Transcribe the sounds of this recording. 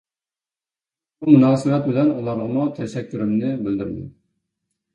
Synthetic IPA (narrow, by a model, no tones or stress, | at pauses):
bumunɑːsɨwɛt̪̚bɪlɛnulˠɑɾʁəmut̪ʰɛʃɛkʲʰːyɾymnɪbɪld̪yɾd̪ɪ̰